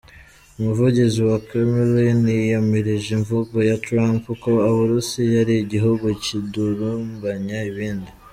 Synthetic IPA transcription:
umuvuɟiziwakemelinijameɾiʒiɱvuɡojatɾampukoaβuɾusijaɾiiɟiɦuɡuciduɾumbaɲaiβiːndi

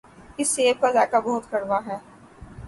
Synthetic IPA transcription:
ɪsːeːʋkazaːkabɔɦʊt̪kɐɽʋaɦɛː

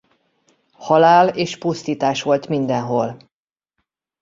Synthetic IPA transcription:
hɒlaːleːʃpust̪iːt̪aːʃʋo̞lt̪mind̪ɛnɦol

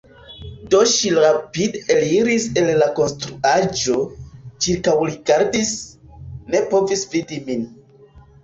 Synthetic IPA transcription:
do̞ʃiɾapideliɾise̞lːako̞nstɾuad͡ʒo̞t͡ʃiɾkawɾiɡaɾdis | ne̞po̞visvidimin

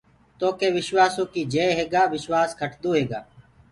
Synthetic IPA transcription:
t̪oːkeːʋɪʃʋaːsõːkiːd͡ʒeːɦeːɡaːʋɪʃwaːskʰəʈʰd̪õːɦeːɡaː

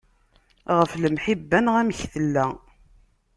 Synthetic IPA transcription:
ʁəfləmħibːænʁæmçθəlːæ

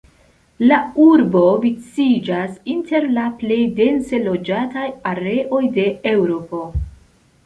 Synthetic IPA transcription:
lauɾbo̞vit͡sid͡ʒasinte̞ɾlaple̞jde̞nse̞lo̞d͡ʒatajaɾe̞ʔo̞jde̞ewɾo̞po̞

